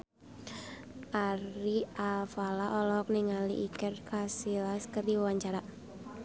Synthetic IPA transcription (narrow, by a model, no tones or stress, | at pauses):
ʔaɾialfalaʔɔlɔɦɔk̚niŋalḭʔikərkasilaskɨrdiwawaɲt͡ʃaɾa